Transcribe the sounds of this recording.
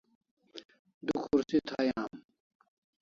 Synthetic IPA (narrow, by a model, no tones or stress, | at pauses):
d̪ukʰuɾsit̪ʰaːjaːm